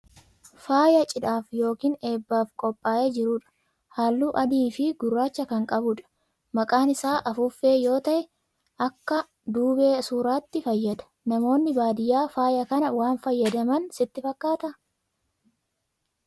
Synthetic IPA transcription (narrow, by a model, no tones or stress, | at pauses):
faːjɐt͡ʃʼɪᶑaːfjo̞ːkiːne̞ːbːaːfkʼɔpʼːaːjeːd͡ʒɪɾʊᶑɐ̥ | haːlːuːʔɐd̪iːfɪɡʊrːaːt͡ʃːɐkɐŋkʼɐbʊᶑɐ̥ | mɐkʼaːnɪsaːʔɐfʊfːe̞ːjo̞ːt̪ɐʔɛ | ʔɐkːɐ | d̪uːbeːsuːɾaːt̪ːɪfɐjːɐd̪ɐ̥nɐmo̞ːnːɪbaːd̪ɪjaːfaːjɐkɐnɐwaːnfɐjːɐd̪ɐmɐnsɪt̪ːɪfɐkːaːt̪ɐ